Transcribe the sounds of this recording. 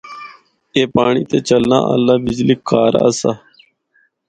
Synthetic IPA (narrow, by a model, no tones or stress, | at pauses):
eːpaːɳiːt̪eːt͡ʃəlnã̰ːʔə̰lːaːbɪd͡ʒlikːaːɾa̰ːəsaː